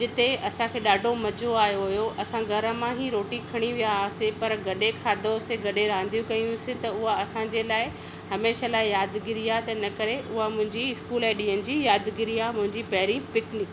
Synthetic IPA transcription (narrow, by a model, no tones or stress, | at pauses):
d͡ʑɪt̪eɐsãkʰeːɗaːɖʱomɐd͡ʑoaːjoɦʊjoʔɐsãɡʱɐɾə̆mãɦiɾoːʈikʰɐɽ̃iʋijasɪpɐɾɡɐɗekʰaːd̪ʱoseɡɐɗeɾãːnd̪ijũkɐijũsɪ̃t̪ɐʊɦaɐsãd͡ʑelaːɪ | hɐmeːʃalaːɪjaːd̪ɡɪɾijat̪ɐnɐkɐɾeʔʊɦamʊ̃ɦɪ̃ɲd͡ʑiɪskuːlɛːɗiːənɪ̆d͡ʑijaːd̪ɡɪɾiamʊ̃ɦɪ̃ɲd͡ʑipɐɦɪɾipɪknɪk